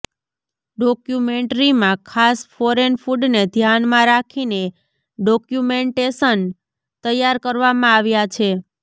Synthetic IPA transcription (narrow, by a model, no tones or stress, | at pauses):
ɖɔkjumeɳʈɾimãkʰasfɔɾenfuɖned̪ʱjanmãɾakʰine | ɖɔkjumeɳʈesən | t̪əjːaɾkəɾʋamãaʋjat͡ʃʰe